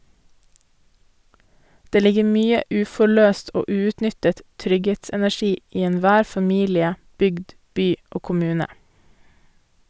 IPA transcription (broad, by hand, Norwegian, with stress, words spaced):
ˈdeː ˈlɪɡə ˈmyːə ˈʉːfɔˌɭøːst ˈoː ˈʉːʉːtˌnʏtət ˈtɾʏɡheːtsɛnæˌçiː ˈiː ɛnˈʋæːɾ fɑˈmiːlɪə ˈbʏɡd ˈbyː ˈoː kʊˈmʉːnə